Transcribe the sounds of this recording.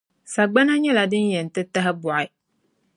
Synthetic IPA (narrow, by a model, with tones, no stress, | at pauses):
sa˨ɡ͡ba˦na˦ɲɛ˦la˨dɨ˦njɛ˨n̩˨tɨ˦ta˦ɦɪ˦bɔ˨ʔɪ˨˦